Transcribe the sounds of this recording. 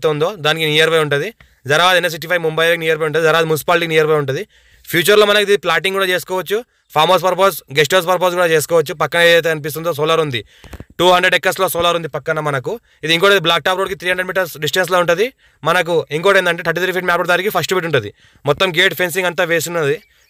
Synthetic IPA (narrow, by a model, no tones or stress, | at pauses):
t̪ond̪oːd̪aːnikinijɐɾbɐjuɳʈud̪i | d͡ʒɐɾɐaːd̪enːes̬iʈːipʰɐjʋmumbɐjlːkiniːjɐɾbɐjuɳʈund̪izɐɾɐaːd̪imunis̬i̥paːlʈiknijɐɾbɐjuɳʈund̪i | pʰjuːt͡ʃɐɾloːmɐnɐkuid̪iiplaːʈ̬iŋɡuːɽaːt͡ʃe̞ːsu̥kɔːʋɐt͡ʃːu | pʰaːmoːs̬pɐɾpoːsɡes̬ʈoːspɐɾp̬os̬ɡuːɽaːt͡ʃe̞ːsu̥kɔːʋɐt͡ʃːupɐkːɐnɐedejt̪eːɐnip̬ist̪und̪oːs̬oːlɐɾund̪i | ʈuːɦɐɳɖɾeɖɛkːɐsloːsoːlɐɾund̪ipɐkːɐnɐmɐnɐku | id̪iŋkoːʈɐd̪iblaːk̚ʈaːpɾoːɽikit̪ʰɾiːɦɐɳɖeɖmiːʈɐɾsɖis̬ʈens̬loːuɳʈund̪i | mɐnɐk̬uiŋkoːʈɐjind̪ɐɳʈet̪ʰɐɾʈ̬ːit̪ʰɾipʰiːʈmaːpɐɽd̪aːnikipʰɐsʈubiʈuɳʈund̪ḭ | mɔt̪ːɐmɡeːʈpʰens̬iŋɡɐnt̪aːʋeːsunnd̪i